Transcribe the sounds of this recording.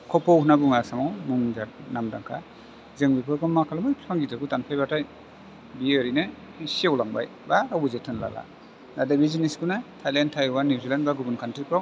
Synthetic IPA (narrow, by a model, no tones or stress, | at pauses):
kʰɔpʰɔwhunabuŋasaŋawmuŋzatnamda̰ŋkʰa | zɯŋbipʰɯɾkʰɔmːakʰalamɯjpʰaŋɡitʰɯɡɯtanpʰajbataj | biɯɾinɯ | siawlaŋba̰j | baɾawbuzetʰɯnla̰la̰ | nadabiziniskunɯtʰajlentʰajwanːizilanbaɡubunkʰantɾikʰɾɔ